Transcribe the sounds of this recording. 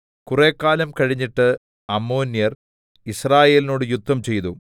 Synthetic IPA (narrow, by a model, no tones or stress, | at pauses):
kure̞ːkːaːlɐmkɐɻiɲːiʈːɨ | ɐmːoːnːjɐr | israːje̞ːlinoːɽɨjud̪ʱːɐmt͡ɕe̞jt̪u